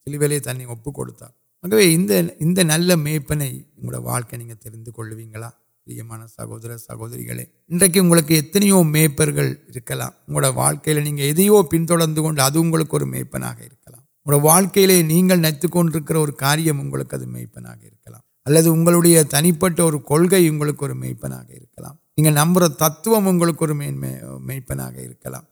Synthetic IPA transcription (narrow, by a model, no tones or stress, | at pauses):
sɪlɯʋelet̪ɐnːiɔpːɯkːɔ̰ɽɯt̪ːa̰ː | aːɣɐʋeːɪnd̪ɐɪnd̪ɐnɐlːɐmeːpːɐnɐɪʊŋɡɐ̰ɽɐ̰ɐ̰ʋʔa̰ːɭkɐɪniːŋɡɐt̪ɛɾɪnd̪ɯkɔɭːɯʋiːŋɡɐɭaː | ɐlɪ̰jɐmaːnɐsɐ̰ɣo̰ːðɐɾɐsɐ̰ɣo̰ːðɐɾɪ̰ɣɐ̰ɭḛː | ɪndrɐk̬ːɯʊŋɡɐɭɯkːɯɛt̪ːɐnɐjoːmeːpːɐɾɣɐɭɪɾɯkːɐla̰ːmʊŋɡɐɭɯɽɐjɐʋa̰ːɻkɐjɪlɐniːŋɡɐɛðɐjoːpɪnt̪ɔɽɐɾnd̪ɯkɔɳɖɯɐðɯʊŋɡɐɭɯkːɯɔɾɯmḛːpːɐ̰na̰ːɣɐ̰ɪ̰ɾɯkːɐla̰ːm | ŋɽɐʋaːɭkɐjɪleːniːŋɡɐɭnɐɪt̪ːɯkːɔɳɖɪɾɯkːɪɾɐɔɾɯkaːɾɪjɐmʊŋɡɐɭɯkːɯɐðɯmḛːpːɐna̰ːɣɐɪɾɯkːɐla̰ːm | ɐlːɐðɯʊŋɡɐɭɯɽɐjɐt̪ɐnɪpːɐʈːɐɔɾɯkɔɭɣɐɪʊŋɡɐɭɯkːɔɾɯmḛːpːɐna̰ːɣɐ̰ɪ̰ɾɯkːɐla̰ːmniːŋɡɐnɐmbɯɾɐt̪ɐt̪ːɯʋɐmʊŋɡɐɭɯkːɔɾɯmemeːpːɐna̰ːɣɐ̰ɪ̰ɾɯkːɐla̰ːm